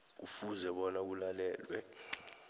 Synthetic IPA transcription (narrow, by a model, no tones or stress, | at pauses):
ufuzɛɓɔnak̬ulalɛːlwɛ̰